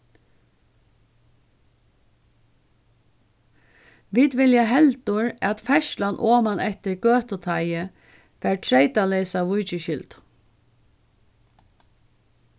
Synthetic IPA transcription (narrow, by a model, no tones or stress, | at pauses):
ʋiːd̪ʋɪljaɦɛlt̪ʊɹæt̪fɛʃlanʔoːmanɛht̪ɪɹɡøːt̪ʊt̪ʰajə | fɛːɹʈʰɾɛɪt̪alɛɪsaʋʊjt͡ʃɪɕʏlt̪